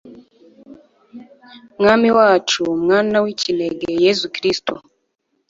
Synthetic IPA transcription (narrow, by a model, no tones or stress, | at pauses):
ŋamiwat͡ʃumŋanawicilɛɡɛjɛzukɾistɔ